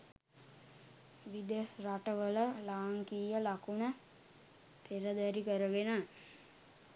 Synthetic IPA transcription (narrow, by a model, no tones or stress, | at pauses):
ʋid̪esraʈəʋələlaːŋkiːjəlakunə | pʰeɾəd̪æɾikəɾəʋena